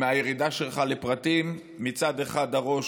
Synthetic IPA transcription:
meajeʁid̪aʃelχalepʁat̪imː | it͡sad̪eχad̪haʁo̞ʃ

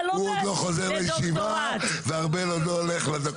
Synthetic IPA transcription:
uod̪lo̞χozeʁlejeʃiva | veaʁbelodoleχleda

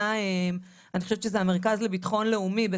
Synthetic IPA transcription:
aem | anixoʃevtt͡ʃʃezeameʁkazlebitaχo̞nle̞umibe

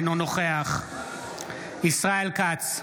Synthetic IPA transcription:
nonoχeaχ | isʁaelkat͡s

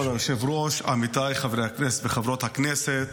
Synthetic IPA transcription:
olalʃevɾoʃa̰mit̪ajχavɾehaknɛset̪veχavɾot̪hakneset̪

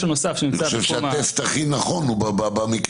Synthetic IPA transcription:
ʃunosafʃeninioaʃevʃat̪est̪aχinaχonubababamik

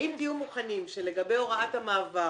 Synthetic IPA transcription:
imd̪ijumuχanimʃe̞le̞ɡabe̞jo̞ʁaathamaːva

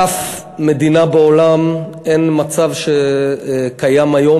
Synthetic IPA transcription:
af | me̞d̪inabeolam | enmat͡savʃe | kajamajo̞

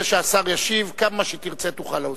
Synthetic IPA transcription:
eʃeasaʁjaʃivkamaʃet̪iʁt͡set̪uχalao

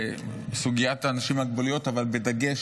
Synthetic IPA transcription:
suɡijat̪aːnaʃimaɡbolijo̞tavalbed̪aɡeʃ

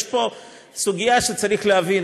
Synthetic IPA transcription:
ʃpo̞ | suɡijaʃet͡saɾiχlehavin

